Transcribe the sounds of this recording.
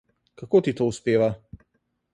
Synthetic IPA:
kakot̪it̪oːuspeːʋa

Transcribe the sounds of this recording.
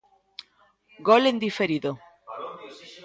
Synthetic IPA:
ɡolend̪ifeɾiðo

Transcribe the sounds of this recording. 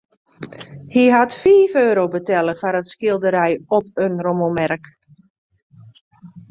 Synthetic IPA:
hiɦatfiːføːɾowbətɛlˠəfaɾətskiəlˠdəɾɛjɔpənromomɛrk

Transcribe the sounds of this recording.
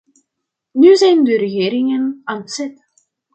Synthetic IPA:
nyzɛjndəɾəɣeːɾɪŋənantsɛt

